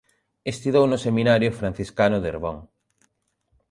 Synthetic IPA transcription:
est̪iðownʊseminaɾjʊfɾan̟θiskanʊðeɾβɔŋ

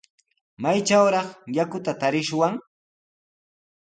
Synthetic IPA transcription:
majt͡ʃawɾɑχjakʊt̪at̪aɾɪʃwaŋ

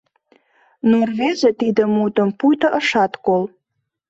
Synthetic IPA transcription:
nurvezet̪id̪əmut̪əmpujt̪əʔəʃɑt̪kol

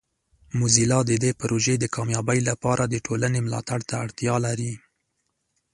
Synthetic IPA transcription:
muzilɑd̪əd̪epaɾoʒed̪əkʰɑmjɑbəjlapɑɾʔad̪əʈʰolanemlɑ̰t̪aɽt̪aːɽt̪jɑlaɾi

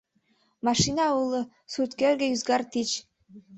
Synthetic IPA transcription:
mɑʃinɑulˠɤ | sut̪kelɡĕjyzɡɑrt̪it͡ɕ

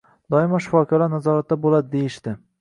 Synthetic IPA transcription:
d̪̥ɒɪmaʃɪfɒkʰalaɾnazɒɾat̪ːabolad̪ɪd̪ejɪʃt̪ɪ

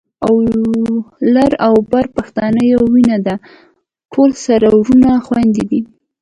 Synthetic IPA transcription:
aw | laɾawbaɾpaxt̪ɑnəjawinad̪a | ʈʰolsaɾawɾunaxwand̪ed̪i

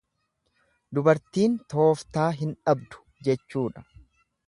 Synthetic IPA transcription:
d̪ʊbɐɾt̪iːnt̪o̞ːft̪aːɦɪnᶑɐbd̪ʊ̥d͡ʒɛt͡ʃːuːᶑɐ̥

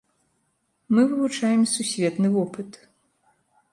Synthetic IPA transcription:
mɨvɨvut͡ʂajɛmsusʲvʲɛt̪nɨvɔpɨt̪

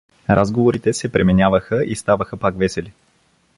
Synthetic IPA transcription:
ɾʔazɡovoɾit̪ɛsɛpɾɛmɛnʲavəxəʔist̪avəxəpakvɛsɛli

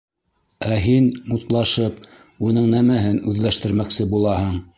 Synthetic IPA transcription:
æɦinmut̪lˠɑʃɤp | unɤɴnæmæɦɘnʉðlæʃt̪ɘ̆ɾmæksɘbulˠɑhɤɴ

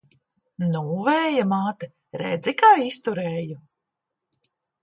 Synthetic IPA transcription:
nuːvɛːjamaːt̪ɛ | ɾɛ̰d̪zikaːist̪uɾɛːju

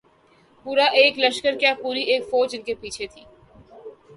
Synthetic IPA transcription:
puːɾaʔeːklɐʃkəɾkjapuːɾiʔeːkfoːd͡ʒɪnkepiːt͡ʃʰet̪ʰiː

